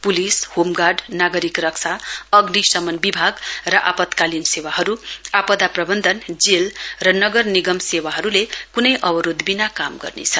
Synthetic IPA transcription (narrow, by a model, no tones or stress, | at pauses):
pulishomɡarɖnaɡʌɾikrʌkt͡sʰaʌɡnisʌmʌnbibʱaɡrʌʔa̰pʌt̪kalinsewaɦʌɾuapʌd̪aprʌbʌnd̪ʱʌnd͡zelrʌnʌɡʌrniɡʌmsewaɦʌɾulekunʌjʔʌbʌɾod̪binakamɡʌ̰rnḛt͡sʰʌ